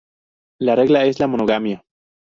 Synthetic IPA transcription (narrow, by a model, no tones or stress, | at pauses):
lare̞ɣlaeslamonoɣamja